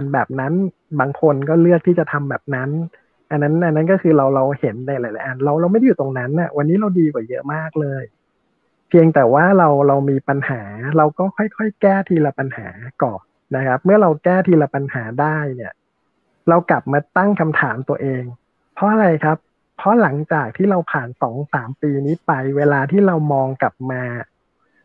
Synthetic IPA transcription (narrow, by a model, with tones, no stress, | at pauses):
a˧nbɛː˨˩p̚na˦˥n | baː˧ŋkʰo˧nkɔː˥˩lɯ˥˩ək̚t̪ʰiː˥˩t͡ɕa˨˩t̪ʰa˧mbɛː˨˩p̚na˦˥n | ʔa˧nːa˦˥nʔa˧nːa˦˥nkɔː˥˩kʰɯː˧ɾa˧wɾa˧whe˩˦nːa˧jlaː˨˦jla̰˨˧˦ʔa˧nɾa˧wɾa˧wma˥˩da˥juː˨˩t̪o˧ŋna˦˥nʔa̰˨˩wa˧nːiː˦˥ɾa˧wdiː˧kwa˨˩jɤ˦˥maː˥˩k̚lɤː˧j | pʰi˧əŋt̪ɛː˨˩waː˥˩ɾa˧wɾa˧wmiː˧pa˧nhaː˩˦ɾa˧wkɔː˥˩kʰɔ˥˩jkʰɔ˥˩jkɛː˥˩t̪ʰiː˧la˧pa˧nha̰ː˩˦kɔː˨˩n | na˦˥kʰa˦˥p̚mɯ˥˩ɐɾa˧wkɛː˥˩t̪ʰiː˧la˧pa˧nhaː˩˦daː˥˩jni˥˩ɐ | ɾa˧wkla˨˩p̚maː˧t̪a˥˩ŋkʰa˧mt̪ʰaː˩˦mt̪u˧ɐʔeː˧ŋ | pʰːɔ˦˥ʔa˧ɾa˧jkʰa˦˥pʰː | ɔ˦˥la˩˦ŋt͡ɕaː˨˩k̚t̪ʰiː˥˩ɾa˧wpʰaː˨˩nsɔː˩˦ŋsaː˩˦mpiː˧niː˦˥pa˧jweː˧laː˧t̪ʰiː˥˩ɾa˧wmɔː˧ŋkla˨˩p̚maː˧